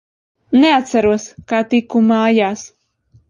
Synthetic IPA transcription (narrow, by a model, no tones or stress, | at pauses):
neat̪saɾuɔskaːt̪ikumaːjaːs